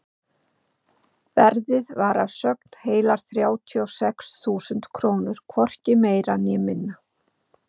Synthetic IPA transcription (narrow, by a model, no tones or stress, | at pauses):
vɛɾðɪðvaɾavsœk̚n̥heːjlaɾ̥θɾjaːwt̪ʰiɔwsɛksθuːsʏnt̪kʰɾoːwnʏɾ̥kʰvɔr̥cɪmeːjɾanjɛmɪnːa